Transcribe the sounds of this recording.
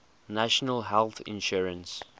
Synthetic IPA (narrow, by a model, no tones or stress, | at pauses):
naʃənəlɦɛlˠθɪ̰̃nʃuɹə̃ns